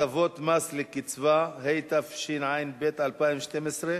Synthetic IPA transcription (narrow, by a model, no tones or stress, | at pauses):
avot̪maslekit͡svaɦejt̪afʃinʕajinbet̪ʕalpaimʃt̪emesʁe